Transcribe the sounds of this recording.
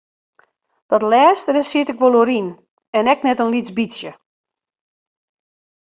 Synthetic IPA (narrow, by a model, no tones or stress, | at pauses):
d̥ɔtlɛːstədəsiətɪkʋolˠoɾin | ɛnɛknɛtənlit͡sbisjə